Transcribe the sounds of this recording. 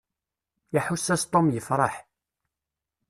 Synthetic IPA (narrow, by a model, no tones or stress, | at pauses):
jaħusːæst̪ˤomjəfɾˤɑħ